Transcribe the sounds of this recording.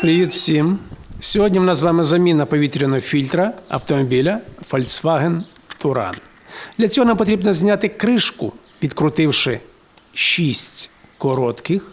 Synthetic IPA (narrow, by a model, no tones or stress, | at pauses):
pɾɪjut̪wsʲimsʲɔɦɔdʲnʲiwnɑzʋɑmɪzɐmʲinɐpɔʋʲit̪ɾʲɪnɔfʲilʲt̪ɾɐɐ̰wt̪ɔmɔbʲilʲɐfɔlʲsʋɑɦen | t̪ʊɾɑ̰n | d̪̥lʲɐt͡sʲɔɦɔnampɔt̪ɾʲibnɔzʲnʲat̪ɪkɾɪʃkʊ̰ | ʋʲid̪kɾʊt̪ɪwʃɪ | ʃisʲtʲkɔɾɔt̪kɪx